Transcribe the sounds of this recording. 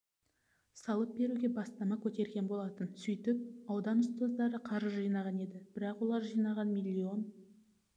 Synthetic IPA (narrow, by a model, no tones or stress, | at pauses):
sɑlˠəp̚be̞ɾuɡʲe̞bɑst̪ɑmɑkʲʰɵt̪e̞ɾɡʲe̞nbo̞lˠɑt̪ənsɵjt̪ɪp̚ɑwd̪ɑnʏst̪ozd̪ɑɾəqʰɑɾəʒijnɑʁɑne̞d̪ɪb̥ɪɾɑqwo̞lˠɑɾʒijnɑʁɑnmilʲːio̞n